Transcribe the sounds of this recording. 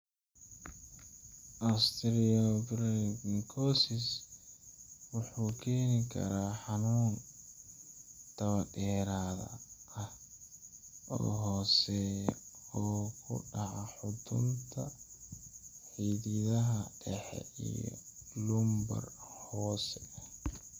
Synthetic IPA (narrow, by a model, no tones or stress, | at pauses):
ʔast̪ʰɾɪɔɡɾɛɡnkʰɔsɪs | wʊħuːkʰɛːnɪkʰɐ̰ɾaːħɑnuːn | t̪ʰɐβɐdɛːɾaːðɐ̰ɐh | ɔ̰ːɦɔːsɛjɔːkʰʊ̰ɖɑʕɑħʊd̪ʊ̰nt̪ʰɐ | ħiːðɪðɐɦɐɖɛħɛ̰ḭjɔ̰lʊmbɐ̰rhɔːsɛ